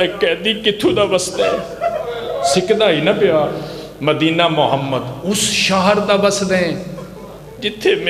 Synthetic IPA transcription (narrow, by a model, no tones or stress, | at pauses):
ɛːkɛ̃ːd̪iːkɪt̪ʰũːd̪aːbəsd̪ɛː | sɪkd̪aːɦiːnapɪjaː | məd̪iːnaːmʊɦəmːəd̪ʊsʃaːɦəɾd̪aːbəsd̪ẽː | d͡ʒɪt̪ʰːeːm